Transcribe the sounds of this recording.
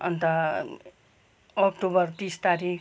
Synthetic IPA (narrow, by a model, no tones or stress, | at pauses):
ʌ̰nt̪ʌ | ʌkʈubʌrt̪ist̪aɾik